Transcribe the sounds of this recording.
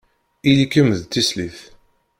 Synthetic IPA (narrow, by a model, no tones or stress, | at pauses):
ilikəmðt̪ːisliθ